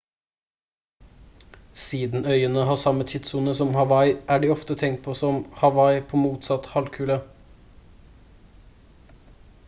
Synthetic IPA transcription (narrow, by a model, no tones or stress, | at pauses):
siːd̪n̩œʏənəhɑːsɑmət̪ʰɪt̪suːnəsɔmhɑʋɑɪʔæːɖiːɔft̪ət̪ʰɛŋt̪̚pʰoːsɔmhɑʋɑɪpʰoːmuːt̪sɑt̪hɑlkʰʉːlə